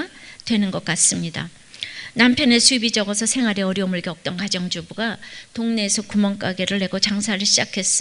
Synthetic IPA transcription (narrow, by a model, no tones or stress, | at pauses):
twe̞nɯnɡʌk͈̚as͈ɯmɲida̰ | nampʰjʌne̞sʰuibid͡ʑʌɡʌsʰʌsʰe̞ŋɦwaɾeʌɾjʌomɯɭɡeʌk̚t͈ʌnkad͡ʑʌŋd͡ʑubuɡatoŋne̞ːsʰʌkumʌnk͈aɡe̞ɾɯɭːe̞ɡot͡ɕaŋsʰaɾɯɭɕʰid͡ʑakʰe̞s͈ɯ